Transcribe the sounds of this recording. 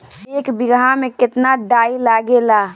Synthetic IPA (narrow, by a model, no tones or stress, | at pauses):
eːkbɪɡãmẽkɪt̪naɖaːilaɡelaː